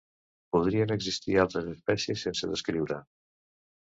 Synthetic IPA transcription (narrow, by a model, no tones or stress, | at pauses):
puð̞ɾiənəɡzist̪ialˠt̪ɾəzəspɛsjəsːensəðəskɾiwɾə